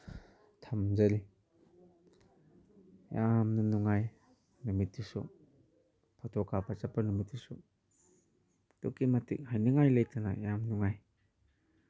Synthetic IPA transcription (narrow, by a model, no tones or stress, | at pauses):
tʰamd͡ʒaɾi | jamnunuŋaj | numitːisɔ̰ | pʰɔtʰɔkapat͡ʃapanumitːisɔ | to̰kimatḭk̚hajniŋajləjtana̰jamnuŋaj